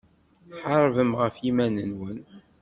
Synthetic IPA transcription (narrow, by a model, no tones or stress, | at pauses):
ħəɾˤvəmʁəfimænənwən